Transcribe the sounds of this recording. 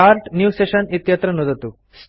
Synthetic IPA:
aɾʈnjuseɕɐnit̪jɐt̪ɾɐnud̪ʱɐt̪u | s

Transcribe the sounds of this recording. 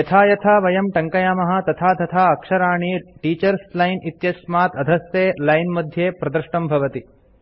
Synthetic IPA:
jɐt̪ʰaːjɐt̪ʰaːʋɐjɐmʈɐŋkɐjaːmɐɦɐ̆t̪ɐt̪ʰaːt̪ɐt̪ʰaːɐkʂɐɾaːɳiʈiːt͡ʃɐɾslɐjnit̪jɐsmaːt̪ɐd̪ʱɐst̪eːlɐjnmɐd̪ʱjeːpɾɐd̪ɐɾʂʈɐmbʱɐʋɐt̪i

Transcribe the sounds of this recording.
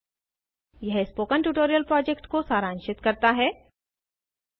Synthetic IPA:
jɛɦspoːkənʈuːʈoːɾijəlpɾɔːd͡ʒekʈkosaːɾãːnʃɪt̪kɐɾt̪aɦɛː

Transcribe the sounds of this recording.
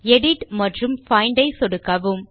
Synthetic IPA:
ɛɽɪʈmɐʈrɯmfɐɪɳɖɐɪsɔɽɯkːɐʋɯm

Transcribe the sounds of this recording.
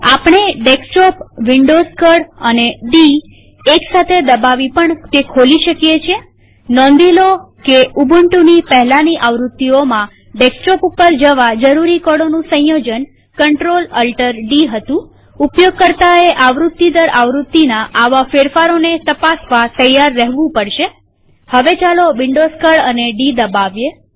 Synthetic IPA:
apɳeɖeksʈopʋiɳɖozkəɽə̰neɖi | eksat̪ʰed̪əbaʋipəɳt̪ekʰoliʃəkjet͡ʃʰe | nɔ̃nd̪ilo | keubʱəɳʈunipəɦlaniʔaʋɾut̪ːiomã | ɖeksʈɔpupːəɾd͡ʒəʋad͡ʒəɾuɾikəɽonũsə̃j̃jod͡ʒən | kəɳʈɾoləlʈəɾɖiɦət̪ũ | upjoɡ̚kəɾt̪aeʔaʋɾut̪ːid̪əɾaʋɾut̪ːinaʔaʋafeɾfaɾonet̪əpasʋat̪əjaɾːəɦʋũpəɽʃe | həʋet͡ʃaloʋɪɳɖoskəɭəneɖid̪əbaʋje

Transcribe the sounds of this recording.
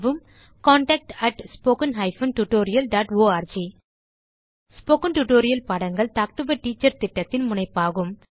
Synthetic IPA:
ʋɯm | kaːɳʈɐk̚ʈɐʈspoːkɐnɦɐɪfɐnʈuʈoːɾɪjɐlɖaːʈoːaːɾd͡ʒi | spoːkɐnʈuʈoːɾɪjɐlpɐɽɐŋɡɐɭt̪aːk̚ʈʊbɐʈːiːt͡ʃːɐɾt̪ɪʈːɐt̪ːɪnmʊɳɐɪpːaːɣɯm

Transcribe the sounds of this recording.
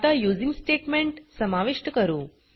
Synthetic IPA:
t̪ajud͡zimsʈeʈmeɳʈsəmaʋiʂʈəkəɾũː

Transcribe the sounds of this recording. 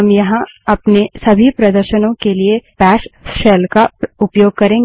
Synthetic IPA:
ɦɐmjɐɦãɐpnesɐbʱipɾɐd̪əɾʃənõkeliepɛːʃʃɛːlkaʊpjoːɡ̚kɐɾẽː

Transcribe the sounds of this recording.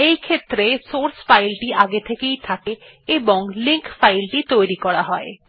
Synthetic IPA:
ejkʰet̪ːɾesoɾsfajlʈiaɡet̪ʰekejt̪ʰakeeboŋliŋkfajlʈit̪ojɾikɔɽaɦɔe

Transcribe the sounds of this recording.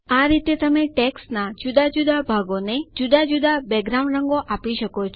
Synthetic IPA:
aɾit̪et̪əmeʈeksnad͡ʒud̪ad͡ʒud̪abʱaɡoned͡ʒud̪ad͡ʒud̪ʱabɛɡɾaũɳɖɾəŋɡoʔapiʃəkot͡ʃʰ

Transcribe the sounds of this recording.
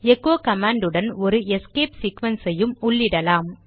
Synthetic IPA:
ɛkːoːkɐmaːɳɖɯɽɐnɔɾɯɛskeːpsiːkʋɐnsɐjɯmʊɭːɪɽɐlaːm

